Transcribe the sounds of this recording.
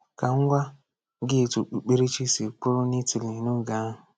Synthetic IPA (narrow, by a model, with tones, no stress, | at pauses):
ka˨ŋ̩˦ɡʷa˦ | ɡɪ˦˨tu˨k͡pu˨k͡pe˦ɾe˦t͡ʃi˦si˨k͡pʊ˦ɾʊ˦ni˦ti˨li˨nu˦˨ɡa˨˦˨